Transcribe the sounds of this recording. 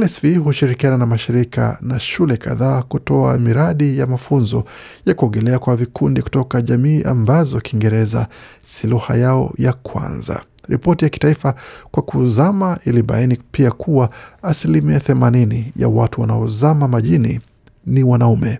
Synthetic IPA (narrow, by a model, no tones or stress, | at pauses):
ɛlɛsvihuʃiɾikiananamaʃiɾika̰naʃulɛka̰ðaːkutɔa̰miɾaɗijamafunzɔ | jakuɔɡɛlɛakwavikʰundiku̥tɔkaʄamiːʔa̰mbazɔkiŋɡɛɾɛza̰ | siluha̰jaɔ̰jakʰwa̰nza̰ɾipɔtijaki̥taifakwakuzamaʔiliɓa̰inipiakʰuwaːsilimiaθɛmaninija̰watuwanaɔzamamaʄinḭ | niwanaumɛ